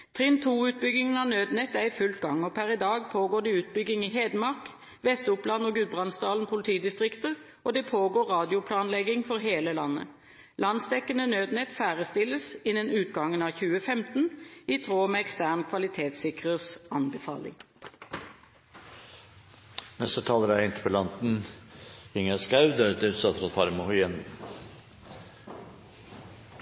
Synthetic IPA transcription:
t̪ʰʁɪnt̪ʰuːʉːt̪̚bʏɡɪŋənɑːnøːd̪nɛt̪ːæɪfʉlt̪ɡɑŋoːpʰæʁɪd̪ɑːɡpʰoːɡoːd̪ɛʉːt̪̚bʏɡɪŋiːheːd̪əmɑʁk | ʋɛst̪ʊplɑnoːɡʉd̪̚bʁɑnsd̪ɑːln̩pʰʊlɪt̪ʰiːd̪ɪst̪ʁɪkt̪əʁ | ʔod̪ɛpʰoːɡoːʁɑːd̪ɪʊpʰlɑːnlɛɡɪŋfɔʁɦeːləlɑnːə̰ | lɑnsd̪ɛkːənənøːd̪nɛt̪fæːʁəst̪ɪlːəsɪnənʉːt̪ɡɑŋənɑːçʉːəfɛmt̪n̩iːt̪ʰɾoːmeːɛkst̪æːʁnkʰʋɑlɪt̪ʰeːt̪sɪkʁəsɑnbəfɑ̰ːlɪ̰ŋ | nɛst̪ət̪ʰɑːləɾææɪnt̪ʰə̥pəlɑnt̪n̩ | ɪŋæskɾæʉd̪əd̪əʉsɑt̪ɾɑfɑɾmʊhɔɛn

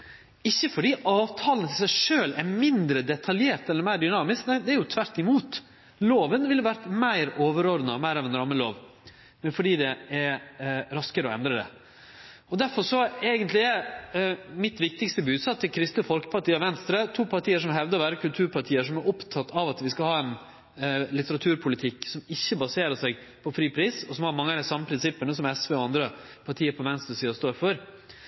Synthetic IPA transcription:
ɪçːəfɔɖiːʔɑːʋt̪ʰɑːlənət̪ʰɪlsæɪʂøːlæɾmɪnd̪ɾəd̪ɛt̪ʰɑljeːɾʈ̪ɛlːəɾmæɪɾd̪ʏnɑːmɪsknæɪd̪ɛæɾjʊt̪ʰʋæɾt̪ɪmuːt̪ | loːʋənʋɪlːɑʋæɾt̪mæɪɾoːʋəɾɔɾd̪nəmæɪɾɑʋɛnɾɑmːəlo̰ːʋ | mɛnfɔɖiːd̪ɛæɾɾɑskəɾəɔɛ̰nd̪ɾəd̪ɛ̰ | ɔd̪æɾfɔʂɔeːɡənt̪lɪɛ | mɪt̪ʋɪk̚t̪ɪkst̪əbʉːd̪sɑt̪ʰːɪkʰɾɪst̪əfɔlkə̥pɑʈiːɑʋɛnst̪ɾət̪ʰuːpʰɑʈʰiːəʂ̬ɔmɦɛʋd̪əɾʋæːɾəkʰʉlt̪ʰʉːɾpʰɑʈʰiːəʂɔmæɾʔɔpt̪ʰɑt̪ːɑʋɑt̪ʋɪskɑhɑːɛn | lɪt̪əɾɑt̪ʰʉːɾpʰʊlɪt̪ʰɪkːsɔmɪçːəbɑseːɾəʂæɡpʰɔfɾiːpʰɾiːsɔsɔmhɑɾmɑŋːəd̪æsɑmːəpʰɾɪnsɪpːənəsɔmɛsʋeːɔɑnd̪ɾə | pʰɑʈʰiːəɾpʰɔʋɛnst̪ɾəsiːɔst̪oːɾfɔɾ

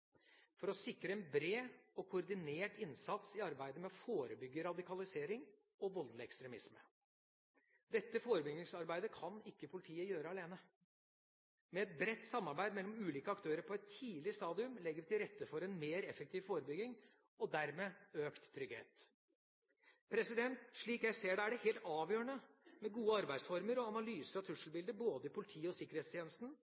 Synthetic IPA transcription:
fɔɾɔsɪkɾəɛnbɾeːɔkʰʊɾd̪ɪneːʈɪnsɑt̪sɪɑɾbæɪd̪əmɛɔfoːɾəbʏɡːəɾɑd̪ɪkʰɑlɪseːɾɪŋ | ɔʋɔld̪ləɛkst̪ɾɛmɪsmə̰ | d̪ɛt̪ːəfoːɾəbʏɡɪŋsɑɾbæɪd̪əkʰɑnɪkːəpʰʊlɪt̪ʰiːəjøːɾəɑleːnə | mɛɛt̪̚bɾɛt̪ːsɑmːɑɾbæɪd̪mɛlːɔmʉːliːkəɑkt̪ʰøːɾəɾpʰɔɛt̪ʰːiːlɪst̪ɑːd̪ɪʉmlɛɡːəɾt̪ɪlɾɛt̪ːəfɔɾɛnmeːɾɛfək̚t̪ʰiːʋfoːɾəbʏɡɪŋ | ɔd̪æɾmeːøːkt̪ʰːɾʏɡhḛːt̪ | pʰɾɛsɪd̪ɛnt̪ʂɭiːkjæɪseːɖɛæɖɛheːlt̪ɑːʋjøːəɳəmɛɡuːəɑɾbæɪsfɔɾməɾɔɑnɑlyːsəɾɑt̪ʰʉʂlbɪld̪əboːd̪əɪpʰʊlɪt̪ʰiːɔsɪkːəɾheːt̪st̪jeːnəst̪n̩

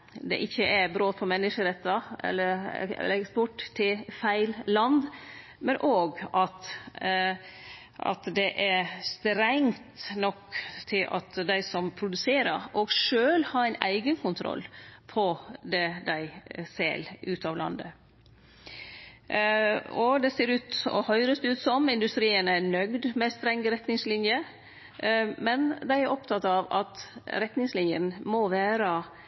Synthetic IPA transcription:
d̪ɛ̰ʔɪçːəʔæɾbɾoːt̪pʰɔmɛnːəʂəɾɛt̪ːɑɛ̰lːəɾɛ̰lːəɛkspʊʈt̪ʰːɪlfæɪllɑnd̪ | mɛnʔoːɡɑt̪ | ʔɑ̰t̪d̪ɛʔæɾst̪ɾæŋt̪nɔkːt̪ʰːɪlʔɑ̰t̪d̪æɪsɔmpʰɾʊd̪ʉseːɾəɾʔoːɡʂøːlhɑːɾæɪnæ̰ɪɡənkʰʊnt̪ʰɾɔ̰lːpʰɔd̪ɛd̪æɪsɛ̰lʔʉːt̪ɑːʋlʔɑ̰nd̪ə | ɔd̪ɛseːɾʉːt̪ɔ̰hœʏɾəst̪ʉːt̪sɔmɪnd̪ʉst̪ɾiːənænœɡd̪mɛst̪ɾɛŋɡɾɛt̪nɪŋslɪnjə | mɛnd̪æɪæɾʔɔpt̪ʰɑt̪ːɑʋɑ̰t̪ɾɛt̪nɪŋslɪnjə̰nmɔʋæːɾə

